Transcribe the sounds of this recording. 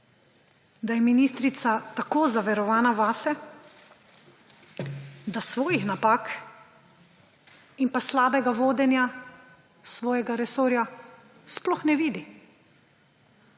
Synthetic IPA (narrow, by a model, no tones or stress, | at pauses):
d̪ajɛminiːst̪ɾit̪sat̪akoːzaʋɛɾɔʋaːnaʋaːsɛ | d̪asʋɔːjixnapaːk | impaslaːbɛɡaʋoːd̪ɛnja | sʋɔːjɛɡaɾɛsoːɾja | splɔxnɛʋiːd̪i